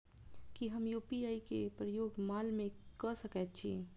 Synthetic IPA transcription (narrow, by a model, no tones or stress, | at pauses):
kiɦəmjupiaikḛpɾəjoːɡmalmẽkəsəkɛt̪̚t͡ʃʰḭ